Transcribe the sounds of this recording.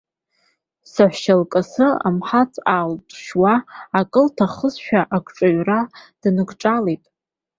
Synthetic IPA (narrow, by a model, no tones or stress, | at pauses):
saħʷʃalkʼasɨa̰mħat͡sʰʼaltʼʃwaːkʼɨltʰaχəzʃᶣaʔakʷʼʰʈ͡ʂʼaɥrad̥nɨɡʷʰʼʈ͡ʂʼalejtʼ